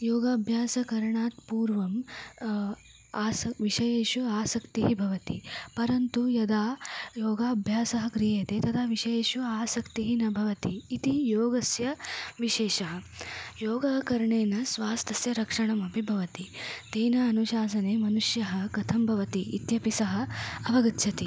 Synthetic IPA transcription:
joːɡaːbʱjaːsɐkɐɾɐɳaːt̪puːɾʋɐm | aːsɐʋiʃɐjeːʃuaːsɐkt̪iɦibʱɐʋɐt̪ipɐɾɐnt̪ujɐd̪aːjoːɡaːɐbʱjaːsɐɦɐkɾijɐjɐt̪eːt̪ɐt̪ʰaːʋiʃɐjeːʃuaːsɐkt̪iɦinɐbʱɐʋɐt̪iːt̪ijoːɡɐsjɐʋiʃeːʃɐɦɐ̆joːɡaːkɐɾɐɳeːnɐsʋaːst̪ʰɐsjɐɾɐkʂɐɳɐmɐbʱibʱɐʋɐt̪it̪eːnɐːnuʃaːs̬ɐneːmɐnuʂjɐɦɐ̆kɐt̪ʰɐmbʱɐʋɐt̪ḭːt̪jɐpisɐɦɐ̆ɐʋɐɡɐt̪ʃʰɐt̪i

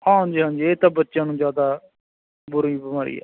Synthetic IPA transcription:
hãːɦə̃nd͡ʒiːɦãːnd͡ʒiːeːt̪ãːbətːʃjãːnũːzjaːd̪aː | bʊɾiːbəmaːɾḭːɛ̰ː

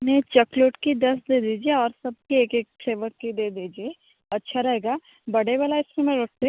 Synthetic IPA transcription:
nẽt͡ʃɐkloːʈkid̪ɐsd̪eːd̪iːd͡ʒieɔːɾsɐb̚kieːkeːk̚feːʋəɾkid̪eːd̪iːd͡ʒie | ɐtːʃʰaɾɐɦeːɡaː | bɐɽebɐlaɪskiːmeɾoːʈ̚ʰt̪e

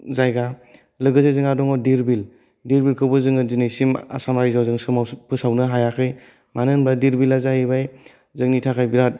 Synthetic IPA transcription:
zajɡa | lɯɡɯzajzɯŋadɔŋɔdiɾbil | diɾbilkʰɯwbɯzɯŋɯdinajsima̰samɾajzawzɯŋsɯmawpʰɯsawnɯɦajakʰɾɯj | manɯnbadiɾbilazajibaj | zɯŋnitʰakʰajbiɾat̚

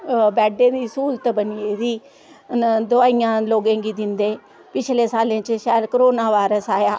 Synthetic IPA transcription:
bɛːɖẽːd̪iːsuːlt̪bəniːeːziː | d̪ʊaːijãːloːɡẽːɡiːd̪ɪnd̪eː | pɪt͡ʃʰlẽːsaːlẽːt͡ʃʃaːlkəɾoːnaːʋaːɾəsaːjaː

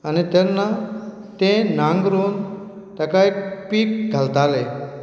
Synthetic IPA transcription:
anit̪enːa | t̪ẽnãŋɡɾuːn | t̪akajkpiːk̚ɡʱalt̪ale

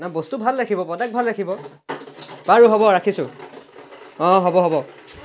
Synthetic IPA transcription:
nabostubʱalːɹakʰibɔpɔdak̚bʱalɹakʰibɔ | baɹuɦɔbɔɹakʰisʊ̃ | ɔ̃ɦɔbɔɦɔbɔ

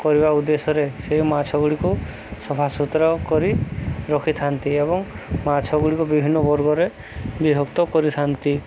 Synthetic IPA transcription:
kɔɾibaud̪esɔɾeseɦmat͡ʃʰɔɡuɭiku | sɔbʱasut̪ɾɔkɔɾiɾɔkʰit̪ʰant̪iebɔŋmat͡ʃʰɔɡuɭikubibʱinːɔbɔɾɡɔɾe | biɦɔkt̪ɔkɔɾit̪ʰant̪i

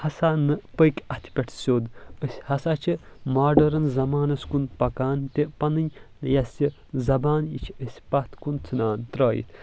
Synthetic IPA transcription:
hɐsaːnɨpəkʲɐt̪ʲʰpʲeʈʰsʲoːd̪əsʲhɐsaːt͡ʃʰimaːɖɐɾɐnzɐmaːnɐskunpɐkaːnt̪ʲepɐnɨɲʲ | jɐsʲi | zɐbaːnḭt͡ʃʰəsʲpɐt̪ʰkunt͡sʰɨnaːnt̪ɾaːjḭt̪ʰ

